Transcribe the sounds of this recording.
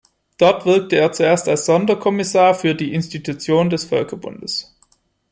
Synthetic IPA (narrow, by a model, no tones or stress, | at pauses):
d̥ɔɐtv̥ɪɐk̚təeːɐt͡sueːɐstalsz̥ɔndɐkʰɔmɪsaːɐfyːɐdiːʔɪnstitʰut͡sjoːndɛsfœlkʰɐbʊ̰nd̥əs